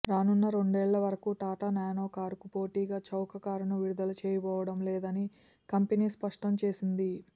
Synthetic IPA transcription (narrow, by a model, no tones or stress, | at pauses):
ɾaːnunːɐɾo̞ɳɖɛːɭːɐʋɐɾɐkuːʈaːʈaːnaːnoːkaːɾukupo̞ːʈiːɡaːt͡ʃɐwkɐkaːɾɐnuʋiɾud̪ɐlɐt͡ʃɛːjɐpɔːʋɐɽɐmlɛːd̪ɐni | kɐmpeniːspɐʂʈɐmt͡ʃeːsind̪i